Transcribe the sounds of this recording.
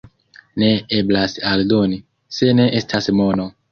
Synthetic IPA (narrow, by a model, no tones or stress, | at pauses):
ne̞eblasaldoni | se̞ne̞ʔestʰasmo̞no